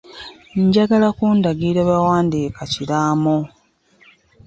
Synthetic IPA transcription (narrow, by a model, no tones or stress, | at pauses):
ɲɟaɡalakuːndaɡiːɾeβawaːndiːkaciɾaːmo